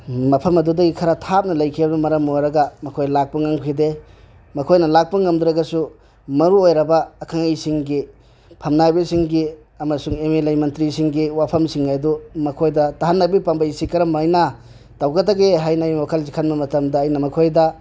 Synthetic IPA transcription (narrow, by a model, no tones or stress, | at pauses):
mɐpʰɐmɐdudɐɡikʰɐɾatʰap̚nɐlɐjkʰibnɐmɐɾɐmoɾɐɡɐmɐkʰojlak̚pɐŋaŋkʰide | mɐkʰojnɐlak̚pɐŋɐmd̪uɾɐɡɐsu | mɐɾuojɾɐbɐːkʰaŋajsiŋɡi | pʰɐmnajbisiŋɡi | ɐmɐsuŋemelajmɐntɾisiŋɡiwapʰɐmsiŋːajdumɐkʰojdɐtaɦanːɐbipambɐisikɐɾɐmajnɐ | tawɡɐtaɡeɦajnɐːjokʰalzikʰanbɐmɐtɐmdɐːjnɐmɐkʰojdɐ